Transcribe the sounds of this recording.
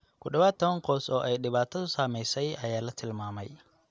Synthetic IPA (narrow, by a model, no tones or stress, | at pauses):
kʰʊɖɐβaːt̪ʰːɐβɐŋqɔːsɔːʔɛjɗɪβaːt̪ʰɐðʊsaːmɛjsɛjɐjaːlɐt̪ʰɪlmaːmɛ̰j